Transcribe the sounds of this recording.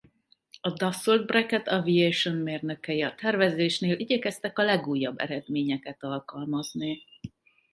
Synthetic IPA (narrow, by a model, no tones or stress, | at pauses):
ɒd̪ɒsold̪̚brɛkɛt̪ɒviejʃonmeːrnøkɛjiɒt̪ɛrvɛzeːʃneːlʔiɟɛkɛst̪ɛkɒlɛɡuːjːɒbːɛ̰ɾɛd̪meːɲɛkɛt̪ɒlkɒlmɒzni